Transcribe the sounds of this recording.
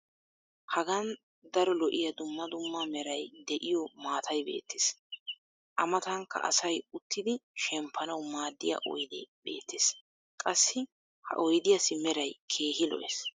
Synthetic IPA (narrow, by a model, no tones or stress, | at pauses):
hɐɡɐn | d̪ɐɾɔlɔʔɪjɐd̪ʊmːɐd̪ʊmːamɛɾɐjd̪ɛʔɪjɔmaːt̪ʰɐjbe̞̰ːt̪ːɪ̥s | ʔɐmɐt̪ɐŋkːɐ̰ʔɐ̰sɐjʊt̪ːɪd̪ɪʃɛmpʰːɐnɐwmaːd̪ːɪjɐ̰ʔɔ̰jd̪ɪbe̞̰ːt̪ːes | kʼɐsːɪ | hɐ̰ʔɔjd̪ɪjɐsɪmɛɾɐjkʰeːɦɪlɔ̰ʔḛs